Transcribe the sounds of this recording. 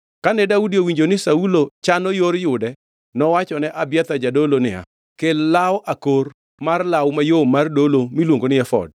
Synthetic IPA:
kanɛdaudiowiɲd͡ʒonɪsaulot͡ʃanojoɾjʊdɛ | nɔwat͡ʃɔnɛʔabjɛt̪ad͡ʒadolonɪa̰ | kellawʔakor | marlawmajomardolomilwoŋɡonɪɛfɔ̰d̚

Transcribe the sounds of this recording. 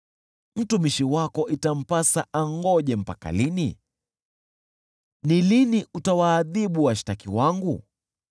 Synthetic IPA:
m̩tumiʃiwakɔʔitam̩pasaʔaŋɡɔʄɛm̩paka̰lini | niliniʔutawaːðiɓuwaʃi̥takiwaŋɡu

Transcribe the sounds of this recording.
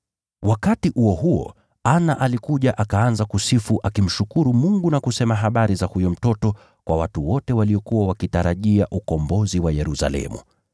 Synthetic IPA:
wakatiʔuɔɦuɔ̰ | anaʔalikuʄaʔakaanzakusifuʔakim̩ʃukuɾumuŋɡunakusɛmaɦaɓaɾizahujɔm̩tɔtɔ | kwa̰watuwɔtɛwaliɔkuwawakitaɾaʄiaʔukɔmbɔziwajɛɾusa̰lɛ̰mṵ

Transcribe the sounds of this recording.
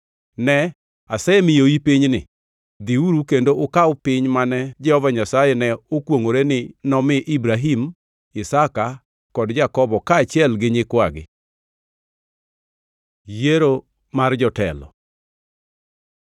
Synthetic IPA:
nɛ | asɛemɪjoipɪɲnɪ̰ | d̪iuɾukendoʔokawpɪɲmanɛd͡ʒɛhɔvaɲasajɛnɛokwoŋoɾenɪnɔmɪʔibɾaɦim | ɪsaka | kɔdd͡ʒakɔbɔkaːt͡ʃɪɛlɡɪɲɪkwaɡɪ̰ | jeɾo | mard͡ʒɔtɛ̰lɔ̰

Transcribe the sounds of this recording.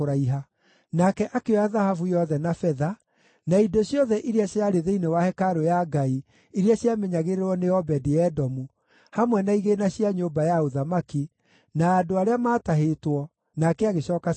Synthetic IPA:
oɾaiɦa | nakɛʔakewaðahafujɔðɛnafɛða | naidoɕjɔðɛʔiɾiaɕeaɾeðeinewahɛkaɾojaɡai | iɾiaɕjamɛɲaɣeɾeɾɔneɔbɛdijɛdɔmu | hamwɛnaiɣenaɕiaɲombajaoðamaki | naːdoaɾeamaːtaɦetwɔ | nakɛaɣeɕɔːka

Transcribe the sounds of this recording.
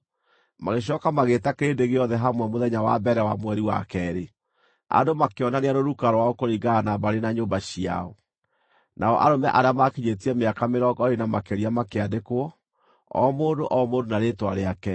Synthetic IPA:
maɣeɕ̬ɔːkamaɣetakeɾeːndeɣeɔðɛɦamwɛmoðɛɲawabɛɾɛwamwɛɾiwa̰kɛɾe | a̰domakeɔnaneanoɾukaɾɔwaokoɾiɡanabaɾenaɲoːbaɕia̰ɔ | nʔaɔʔa̰ɾomɛʔaɾeamakiɲetiɛmeakameɾɔɡɔɾenamakeɾiamakeadekowɔ | ɔ̰ːmoːndoʔɔːmoːndonaɾeːtwa̰ɾeakɛ

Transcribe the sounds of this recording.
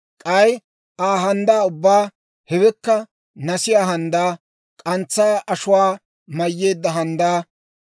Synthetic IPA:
kʼɐj | ʔaːɦɐnd̪aːʊbːaː | hɛbɛkːɐ | nɐsɪjaːɦɐnd̪aː | kʼɐnt͡sːaːʔɐʃʊwaː | mɐjːeːd̪ːɐɦɐnd̪aː

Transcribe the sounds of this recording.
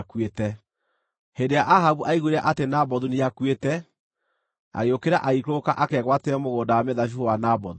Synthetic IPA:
kwetɛ | hendejaʔaɦaβuʔaiɣueɾaʔatenabɔðuniakwetɛ | a̰ɣeokeɾaʔaikokaʔakɛɣwatɛɔmoɣoːndawamɛðaʃ̬ufowanabɔðu

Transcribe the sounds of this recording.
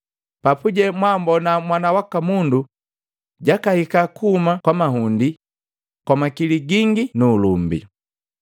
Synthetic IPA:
papuɟɛmwambɔnamwanawakamundu | ɟakahikakuhumakwamaɦundi | kwamakiliɡiŋɡinuːlumbḭ

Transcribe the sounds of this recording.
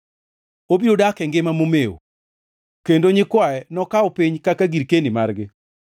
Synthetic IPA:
obiodakɛŋɡɪmamomeo̰ | kendoɲɪkwaɛnɔkaɔpiɲkakaɡiɾkenimarɡɪ

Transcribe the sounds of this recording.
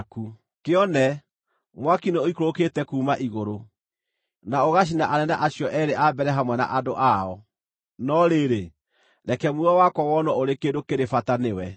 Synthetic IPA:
ku | keɔnɛ | mwakineoikoɾoketɛkuːmaʔiɣoɾo | naoɣaɕ̬inaʔanɛnaʔaɕjɔʔɛɾeʔabɛɾɛɦamwɛna̰ʔadoʔaɔ | nɔɾeɾe | ɾɛkɛmuɔwakwɔwɔnɔoɾekeːdokeɾefatanewɛ

